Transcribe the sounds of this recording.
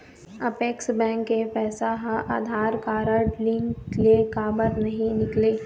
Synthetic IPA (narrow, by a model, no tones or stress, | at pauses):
ɐpeːksbɛ̃ːŋkːepɛːsaɦaa̰ːd̪ʱaːɾkaːɾəɖlɪ̃ŋklekaːbəɾnɐɦĩnɪkleː